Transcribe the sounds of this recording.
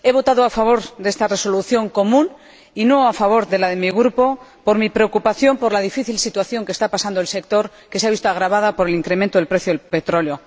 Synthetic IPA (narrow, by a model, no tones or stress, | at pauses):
e̞β̞o̞t̪aðoafaβ̞o̞ɾðe̞st̪are̞so̞luθjo̞ŋko̞mũn | ino̞afaβ̞o̞ɾðe̞laðe̞miɣ̞ɾupo̞po̞ɾmipɾe̞okupaθjo̞mpo̞ɾlaðifiθilsit̪waθjo̞ŋkest̪apasand̪oelse̞k̚t̪o̞ɾ | ke̞seaβist̪oaɣ̞ɾaβaðapoɾe̞liŋkɾemẽnt̪oðelpɾe̞θjoepe̞t̪ɾo̞ljo̞